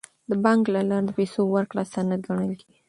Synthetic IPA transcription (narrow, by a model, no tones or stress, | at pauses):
d̪əbɑŋklalɑɾad̪əpesowaɾklɑstanat̪̚ɡaɳ̃əlkeɡi